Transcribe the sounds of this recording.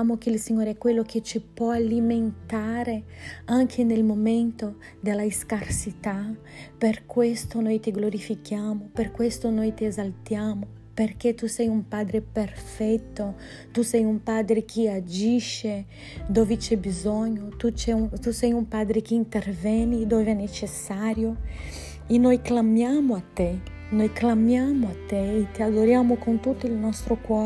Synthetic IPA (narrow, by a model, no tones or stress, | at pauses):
amok̟eilsiɲoːɾeɛkːwelːok̟ʰet͡ʃipwɔaliment̪aːɾeaŋk̟ʰenelmoment̪o | d̪elːaiskarsit̪a | perkwest̪onojt̪iɡloɾifikjaːmoperkwest̪onojt̪iezalt̪jaːmo | perk̟et̪usɛjumpad̪ɾeperfɛt̪ːo | t̪usɛjumpad̪ɾek̟ʰiad͡ʒiʃe | d̪ovɪt͡ʃɛbizɔɲːot̪ut͡ʃɛut̪usɛjumpad̪ɾek̟iːnt̪ervɛnid̪ovvɛnet͡ʃesːaːɾjo | enojklamjamoat̪ːe | nojklamjamoat̪ːeːt̪iad̪oɾjamokont̪ut̪ːoilnɔst̪ɾokwɔ